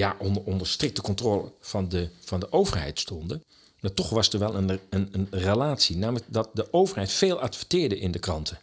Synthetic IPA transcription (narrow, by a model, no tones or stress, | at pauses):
jaʔɔnɔndərstrɪk̚təkɔntroːlə̰vɑndəfɑndəʔowvərɦɛ̰jtstɔndə | matɔχʋɑsdəɹʋɛlˠənənənrəlaːtsinaːmələk̚dɑt̚dəʔowvərɦɛjtfeːlˠatfətɪːɹdəʔɪndəkrɑntʰə